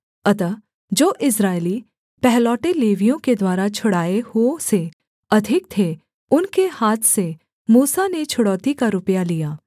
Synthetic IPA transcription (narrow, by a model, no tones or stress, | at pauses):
ɐt̪ə | d͡ʒoːʔɪs̬ɾaːɪli | pɛɦlɔːʈeleːʋijõked̪waːɾat͡ʃʰʊɽaːehuose | ɐd̪ʱɪk̚t̪ʰe | ʊnkehaːt̪ʰse | muːsanet͡ʃʰʊɽɔːt̪ikaɾʊpjalijaː